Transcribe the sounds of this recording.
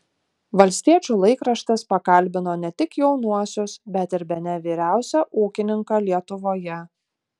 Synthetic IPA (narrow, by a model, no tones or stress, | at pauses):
ʋɐlʲsʲt̪ʲiɛt͡ʃʲuːlˠɐɪkɾɐʃt̪ɐspɐkɐlʲbʲɪnoːnʲɛt̪ʲɪkjɛʊnuɔsʲʊsbʲɛt̪ɪɾbʲɛnʲɛʋʲiːɾʲæˑʊsʲɛʔuːkʲɪnʲɪŋkɑːlʲiɛt̪ʊʋoːjɛ